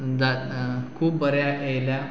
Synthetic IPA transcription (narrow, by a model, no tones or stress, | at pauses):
d͡zakʰuːpbəɾjaejlja